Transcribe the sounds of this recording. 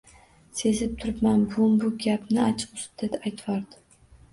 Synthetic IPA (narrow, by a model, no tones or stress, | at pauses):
se̞zɪp̚t̪ʰʊɾɪpmanbʊmbʊɡʲapnɪat͡ʃʰɨ̥qʊst̪̚d̪̥et̪ajt̪ʰwaɾd̪ɪ